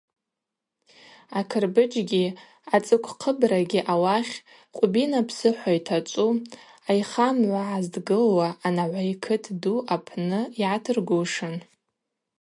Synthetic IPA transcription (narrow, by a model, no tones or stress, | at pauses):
akʰɨrbɨd͡ʒɡʲi | at͡sʼɨkʷʰqʰəbraɡʲiʔawaχʲ | qʷʼbinapʰsɨħʷajtʰat͡ʃʷʼuajχamʕʷaʕazdɡɨlwaʔːnaʕʷajkʰɨtʰduʔapʰnɨjatʰɨrɡuʂɨn